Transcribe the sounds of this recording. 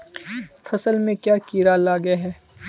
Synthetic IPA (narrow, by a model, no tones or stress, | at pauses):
fɐsəlmẽkjaːkiːɾalaːɡeɦɛː